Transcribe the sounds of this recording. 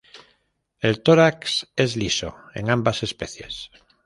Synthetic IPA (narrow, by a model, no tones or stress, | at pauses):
e̞lt̪oɾakse̞zliso̰e̞̰ŋãmbase̞speθje̞̰s